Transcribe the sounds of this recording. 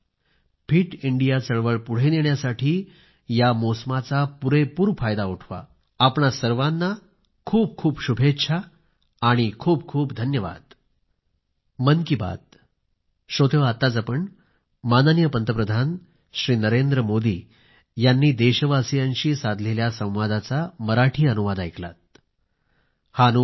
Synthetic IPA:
pʰiːʈiɳɖijat͡səɭʋəɭpuɽ̤eneɳjasaʈʰiː | jamosəmat͡sapuɾepuːɾfajd̪auʈʰʋa̰ː | pɳasəɾʋanːa | kʰuːp̚kʰuːpɕubʱetːɕʰaː | aɽ̃ikʰuːb̚kʰuːpd̪ʱənjəʋa̰d̪̥̚ | mənkiba̰d̪̚ | ɕot̪eʋat̪ːad͡zapəɳ | manənjəpənt̪əpɾəd̪ʱan | ɕɾiːnəɾend̪ɾəmod̪iː | janːiːd̪eɕʋasijãnɕiːsad̪ʱleljasə̃w̃ʋad̪at͡saməɾaʈʰiːənuʋad̪ajkla̰t̪̚ | haənu

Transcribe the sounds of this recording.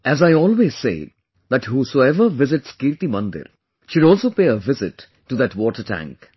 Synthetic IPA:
æzaɪɔːlʋeːz̥sḛː | d̪æʈɦuːsoːɛʋəɾʋɪzɪʈskiːɾt̪imʌ̃nd̪ɪ̰ɾ | ʃʊɖɔːlsoːpeːəʋɪzɪʈː | ud̪æʈʋɔːʈəɾʈæ̰̃ŋk

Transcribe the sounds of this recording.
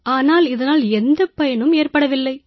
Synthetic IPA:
aːnaːlɪðɐnaːlɛnd̪ɐpɐjɐnɯmeːrpɐɽɐʋɪlːɐɪ

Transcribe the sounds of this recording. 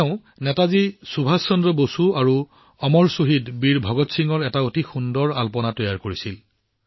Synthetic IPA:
ʊ̃ | nɛtazisubʱasːɔndɔbosuaɹu | ɔmɔɹsoɦidbiɹbʱɔɡɔtsiŋɔɹɛtaotixundɔɹalpɔnatɔjaɹkoɹisil

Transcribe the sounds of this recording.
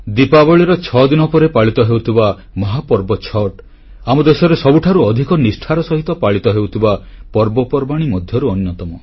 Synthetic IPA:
d̪ipabɔɭiɾɔt͡ʃʰɔd̪inɔpɔɾepaɭit̪ɔɦewt̪ʰiba | mɔɦapɔɾbɔt͡ʃʰɔʈ | amɔd̪esɔɾesɔbuʈʰaɾuɔd̪ʱikɔnisʈʰaɾɔsɔɦit̪ɔpaɭit̪ɔɦewt̪ʰibapɔɾbɔpɔɾbaɽ̃imɔd̪ʱjɔɾuɔnjɔt̪ɔmɔ

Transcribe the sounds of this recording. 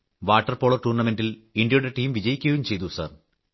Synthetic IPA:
ʋaːʈːɐrpo̞ːɭɐrʈuːrnɐme̞ndiliɳɖjɐjuɽe̞ʈiːmʋid͡ʑɐjikʲːɐjumt͡ɕe̞jt̪usa̰r

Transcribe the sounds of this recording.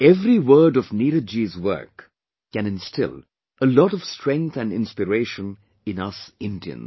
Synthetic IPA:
ɛvɾiwəːɖɔvniɾɨd͡ʒizwɜ̰˞kː | ɛ̃nɪ̃nstɪ̰l | əlɔɾɔv̥stʰɹɛ̃ŋk̚t̪ʰæ̃nɪ̰̃nspɨɾeɪʃə̃n | ɪ̃nʌsɪ̃ndiə̰̃n

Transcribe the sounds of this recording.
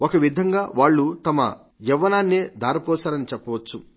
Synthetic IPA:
okɐʋid̪ʱɐŋɡaːʋaːɭːut̪ɐmɐ̰ | jɛʋːɐnaːnːeːd̪ʱaːɾɐpɔːsaːɾɐnit͡ʃɛpːɐʋɐt͡ʃːu

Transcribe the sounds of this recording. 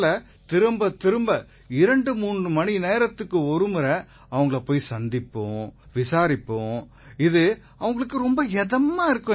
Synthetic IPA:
lɐ | t̪ɪɾɯmbɐt̪ɪɾɯmbɐ | ɪɾɐɳɖɯmuːnrɯmɐnineːɾɐt̪ːɯkːɯɔɾɯmɯɾɐ | ɐʋɐŋɡɐɭɐpoːjisɐnd̪ɪpːõː | ʋɪsaːɾɪpːõː | ɪðɯ | ɐʋɐŋɡɐɭɯkːɯɾɔmbɐɛðɐmːaːɪɾɯkːʊ̃

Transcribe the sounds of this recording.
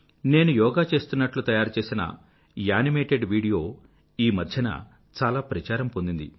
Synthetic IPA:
ne̞ːnujɔːɡaːt͡ʃe̞ːst̪unːɐʈlut̪ɐjaːɾt͡ʃeːsinɐ̰ | jaːnimeːʈeɖʋiːɽijo̞ː | iːmɐd̪ʱjɐnɐ̰ | t͡ʃaːlaːpɾɐt͡ʃaːɾɐmpo̞nd̪ind̪i

